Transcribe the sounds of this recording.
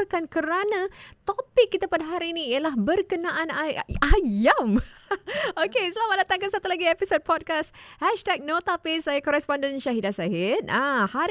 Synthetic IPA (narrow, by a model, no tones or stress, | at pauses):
rkankəɾanãt̪opɪkːit̪apadaɦaɾiːnĩiəlaɦbərkənãʔanaajam | okesəlamadat̪aŋkansat̪ulaɡiepisod̚pɔd̚kashɛʃtɛk̚not̪apesajakɔɾɛspɔndənʃaɦidasaɦɪt̪̚ahaɾ